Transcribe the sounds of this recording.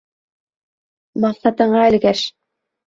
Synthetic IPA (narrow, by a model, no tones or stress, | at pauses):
mɑqsɑt̪ɤ̆ɴɢɑɘlɡæʃ